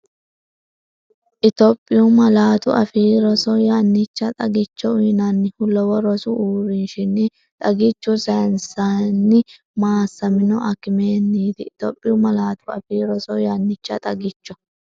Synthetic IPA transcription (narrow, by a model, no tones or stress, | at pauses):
ʔɪt̪ɔpʼːɪjʊmɐlaːt̪ʊʔɐfiːɾɔsɔjanːɪt͡ʃːɐt̪ʼɐɡɪt͡ʃːɔʊnɐnːɪhʊlɔwɔɾɔsʊʔuːɾɪnʃɪnːɪ | t̪ʼɐɡɪt͡ʃːʊsɐnsanːɪ | maːsːɐmɪnɔʔɐkːɪmeːnːiːd̪ɪɪt̪ɔ̰pʼːɪjʊmɐlaːt̪ʊɐ̰fiːɾɔsɔjanːɪt͡ʃːɐ̰t̪ʼɐɡɪt͡ʃːɔ